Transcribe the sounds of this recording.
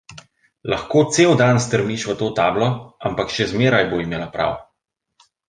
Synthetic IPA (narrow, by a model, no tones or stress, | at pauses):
laxkoːt̪seːwd̪ans̬t̪əɾmiʃʋət̪oːt̪aːblɔampakʃɛzmeːɾajboːimeːlapɾa̰w